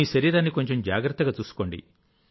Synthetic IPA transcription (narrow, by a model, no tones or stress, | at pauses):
iːʃɐɾiːɾaːnːiko̞ɲt͡ʃe̞md͡ʒa̰ːɡɾɐt̪ːɐɡaːt͡ʃuːsu̥ko̞ːɳɖḭ